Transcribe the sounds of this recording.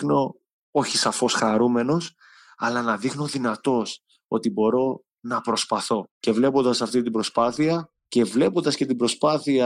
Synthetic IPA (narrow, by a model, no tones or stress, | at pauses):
no̞ | oçisɐfo̞sxɐɾume̞no̞s | ɐ̰lɐnɐðixno̞ðinɐt̪o̞s | o̞̰t̪ibo̞ɾo̞ | nɐpɾo̞spɐθo̞ce̞vle̞po̞nd̪ɐsɐft̪it̪ibɾo̞spɐθiɐ | ce̞vle̞pond̪ɐsce̞t̪ibɾo̞spɐθiɐ